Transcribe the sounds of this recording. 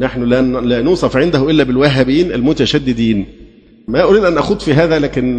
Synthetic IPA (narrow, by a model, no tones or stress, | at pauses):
naħnʊlælænuːsˤɑfʕend̪æhʊʔɪlːæbɪlwæɦːæbiːnʔælmʊt̪æʃæd̪ːɪd̪iːn | mæʔoɾiːd̪ʔænʔæxuːd̪fiːɦæːðælæːkɪn